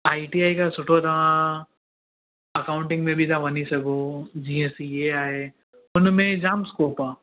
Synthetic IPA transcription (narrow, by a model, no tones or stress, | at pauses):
aːiʈiaːikasʊʈʰot̪aã | ɐkaːʊ̃ɳʈɪ̃ŋɡmẽbʱit̪ʰaʋɐnisɐɡod͡ʒiːesijeaːɦe | ʊnmẽd͡ʒaːmskoːpãː